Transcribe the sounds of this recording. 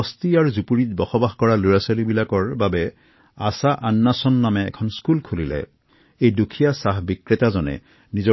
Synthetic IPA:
ɔstiaɹuzupuɹit̚bɔxɔbaxkɔɹalojasalibilakɔɹbabɛ | asaʔanːasɔnːamɛ̰ːkʰɔnskulkʰulilɛ̰ | ejdukʰijasaɦbikɹetazɔnɛ̰ | nizɔ

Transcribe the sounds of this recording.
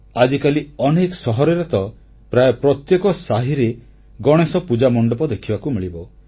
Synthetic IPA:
ad͡ʒikaliɔnekɔsɔɦɔɾeɾɔt̪ɔ | pɾajɔpɾɔt̪jekɔsaɦiɾe | ɡɔɽ̃esɔpud͡ʒamɔɳɖɔpɔd̪ekʰibakumiɭibɔ

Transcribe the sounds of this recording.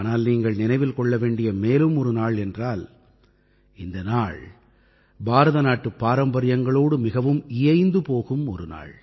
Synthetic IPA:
naːlniːŋɡɐɭnɪnɐɪʋɪlkɔɭːɐʋeːɳɖɪjɐmeːlɯmɔɾɯnaːɭɛndraːl | ɪnd̪ɐnaːɭ | baːɾɐðɐnaːʈːɯpːaːɾɐmbɐɾɪjɐŋɡɐɭoːɽɯmɪɣɐʋɯmɪjɐɪnd̪ɯpoːɣɯmɔ̰ɾɯna̰ːɭ

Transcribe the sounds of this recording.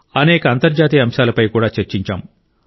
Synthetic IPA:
ɐnɛːkɐːnt̪ɐɾd͡ʒaːt̪iːɐmʃaːlɐpɐjkuːɽaːt͡ʃeɾt͡ʃiɲt͡ʃa̰ːm

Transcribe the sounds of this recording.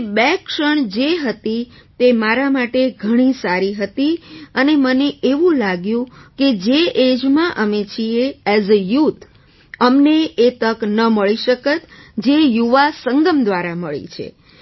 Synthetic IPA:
bɛkʃəɳd͡ʒeɦət̪it̪emaɾamaʈeɡʱəɽ̃isaɾiɦət̪iəneməneeʋũlaɡjũked͡ʒeʔed͡ʒmãʔəmet͡ʃʰieɛzəjut̪ʰ | əmneet̪əknəməɭiʃəkət̪d͡ʒejuʋasəŋɡəmd̪ʋaɾaməɭḭt͡ʃʰḛ

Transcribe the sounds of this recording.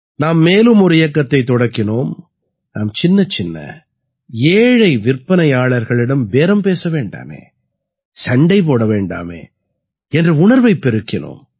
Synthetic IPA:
naːmːeːlɯmɔɾɯɪjɐkːɐt̪ːɐɪt̪ːɔɽɐkːɪnoːm | naːmt͡ʃɪnːɐt͡ʃɪnːɐ̰ | eːɻɐɪʋɪrpːɐnɐɪaːɭɐɾɣɐɭɪɽɐmʋeːɾɐmpeːsɐʋeːɳɖa̰ːmḛː | sɐɳɖɐɪp̬oːɽɐʋeːɳɖa̰ːmḛː | ɛndrɯʊɳɐɾʋɐɪpːɛɾɯkːɪno̰ːm

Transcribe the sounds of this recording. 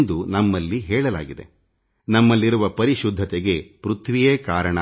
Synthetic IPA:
nd̪unɐmːɐlːiɦɛːɭɐla̰ːɡid̪e̞̰ | nɐmːɐlːiɾuʋɐpɐɾiʃud̪ʱːɐt̪ɛɡe̞pɾut̪ʰʋijeːkaːɾɐɳɐ

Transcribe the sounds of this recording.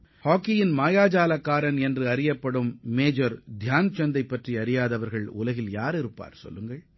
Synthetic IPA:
haːkːɪjɪnmaːjaːd͡ʒaːlɐkːaːɾɐnɛndrɯɐɾɪjɐpːɐɽɯmːeːd͡ʒɐɾd̪ʱjaːnt͡ʃɐnd̪ɐɪpːɐʈriɐɾɪjaːðɐʋɐɾɣɐɭʊ̰lɐɣɪljaːɾɪɾɯpːa̰ːɾsɔ̰lːɯŋɡɐɭ

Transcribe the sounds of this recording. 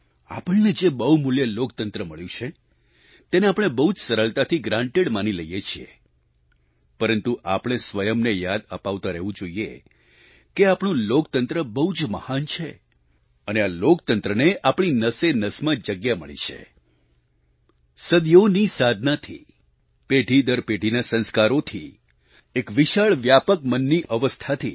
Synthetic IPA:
a̰pəɳned͡ʒebəɦumuljəlokt̪ənt̪ɾəməɭjũt͡ʃʰe | t̪eneapɽ̃ebəɦud͡ʒsəɾəɭt̪at̪ʰiɡɾãɳʈeɽmaniləijet͡ʃʰiḛ | pəɾənt̪uʔapɽ̃esʋəjəmnejad̪əpaʋt̪ãɾeɦʋũd͡ʒoie | keapɳ̃ũlokt̪ənt̪ɾəbəud͡ʒməhant͡ʃʰe | ənealokt̪ənt̪ɾəneʔapɽ̃inəsenəsmãd͡ʒəɡjaməɭḭt͡ʃʰḛ | səd̪jonisad̪ʱnat̪ʰḭ | peʈid̪əɾpeʈinasə̃nskaɾot̪ʰḭ | ekʋiʃaɭʋjapəkmənːiʔəʋəst̪ʰat̪ʰi

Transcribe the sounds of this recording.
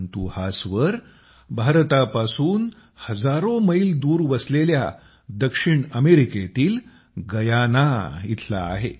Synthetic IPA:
nt̪uhasʋəɾ | bʱaɾt̪apasuːn | həd͡zaɾoməild̪uːɾʋəslelja̰ | d̪əkʂiɳəmeɾiket̪iːl | ɡəjanait̪ʰla̰ːɦe

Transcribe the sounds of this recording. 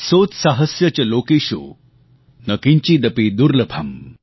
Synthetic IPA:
sot͡ssaɦəsjət͡ɕəlokiɕo̰ | nəkiɲt͡ɕiːd̪əpid̪uɾləbʱam

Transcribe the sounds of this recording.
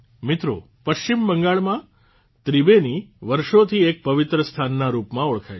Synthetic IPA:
mɪt̪ɾo̰ | pəʃt͡ʃimbəŋɡaɭmã | t̪ɾibeniʋəɾʃot̪ʰiek̚pəʋɪt̪ɾəst̪ʰanːaɾupmãoɭkʰaj

